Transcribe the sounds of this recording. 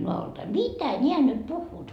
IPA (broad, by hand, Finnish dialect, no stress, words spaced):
noɑoltɑi mitæ nʲeæ nyt puhːuːt